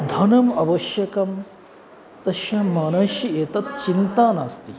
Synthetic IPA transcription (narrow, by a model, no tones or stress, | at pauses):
d̪ʱɐnɐmɐʋɐʃjɐkɐm | t̪ɐʃjɐmaːnɐʃjɐeːt̪ɐt̪̚t͡ʃint̪aːnaːst̪i